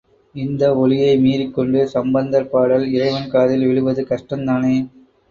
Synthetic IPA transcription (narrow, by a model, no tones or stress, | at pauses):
ɪnd̪ɐɔlɪjɐɪmiːɾɪkːɔɳɖɯsɐmbɐnd̪ɐɾpaːɽɐlɪrɐɪʋɐnkaːðɪlʋɛɭɯʋɐðɯkɐʂʈɐnd̪aːneː